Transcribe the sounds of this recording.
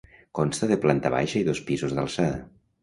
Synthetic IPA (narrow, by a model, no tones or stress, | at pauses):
konst̪əðeplant̪aβa̰jʃaiðospizuzðalˠsaðɐ̰